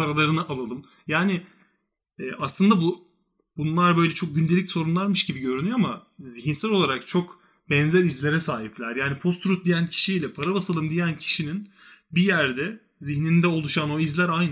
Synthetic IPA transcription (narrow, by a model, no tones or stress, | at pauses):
aɾalˠaɾɯnaʔalˠalˠɯm | jaːnɪ | ɛːʔaslˠɯnd̪abu | bunlˠaɾbø̞jlʲɛt͡ʃʰo̞k̚ɟynd̪elʲicso̞ɾunlˠaɾmɯʃɟibiɟø̞ɾynyjo̞amaziçinsælʲo̞lˠaɾakt͡ʃʰo̞k | bɛnzæɾizlʲe̞ɾɛsaːɦiplʲæɾjaːnipʰo̞st̪ɾut̪̚d̪ijæncʰi̥ʃijlʲɛpʰaɾabasalˠɯmd̪ijæncʰi̥ʃininbijæɾd̪ɛ | ziçnind̪ɛo̞lˠuʃano̞izlʲæɾajn